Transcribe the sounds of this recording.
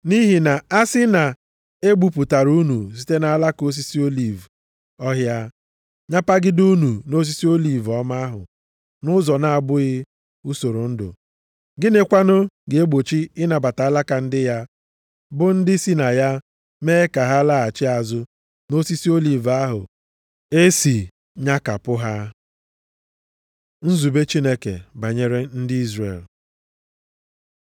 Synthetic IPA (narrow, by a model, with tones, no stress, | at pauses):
ni˦ɦi˨na˨a˦sɪ˦na˨ | e˦ɡ͡bu˨pu˨ta˨ɾu˦nu˨s̬i˦te˦na˨a˦la˦ko˦s̬i˦si˦o˦li˨v | ɔ˦ɦja˦ | ɲa˦pa˦ɡɪ˦du˦nu˨no˦s̬i˦si˦o˦li˨vɔ˦ma˦a˦ɦʊ̰˨ | nʊ˦zɔ˨na˨a˨bʊ˦ɣɪ˦ | u˦so˨ɾo˨n̩˦dʊ̰˨ | ɡɪ˦ne˦kʷa˦nʊ˦ɡe˨e˦ɡ͡bo˨t͡ʃi˦ɪ˦na˨ba˨ta˨a˦la˦ka˨n̩˦dɪ˦ja˦ | bʊ˦n̩˦dɪ˦si˦na˨ja˦ | meː˦ka˨ɦa˦la˦a˨t͡ʃɪ˦a˨zʊ˦ | no˦si˦si˦o˦li˨va˦ɦʊ̰˨ | e˦si˨ | ɲa˦ka˨pʊ˦ɦa˦ | n̩˦zu˨be˦t͡ʃi˦ne˦kḛ˨ba˨ɲe˦ɾe˦n̩˦dɪ˦i˦zrḛ˨l